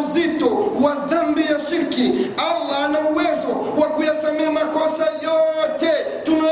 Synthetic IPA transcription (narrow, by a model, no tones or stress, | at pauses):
zitɔwaðambijaʃiɾkialːanauwɛzɔ | wakujasamiamakɔsajɔtɛ | tuna